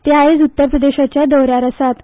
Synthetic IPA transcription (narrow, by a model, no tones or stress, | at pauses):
t̪eaed͡zut̪ːəɾpɾəd̪eɕat͡ɕjad̪əwɾjaɾəsat̪